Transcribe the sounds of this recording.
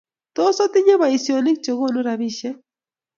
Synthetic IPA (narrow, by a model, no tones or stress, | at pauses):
t̪osat̪ɪɲabajsjonɪk̚t͡ʃoɣonʊɾaβɪʃa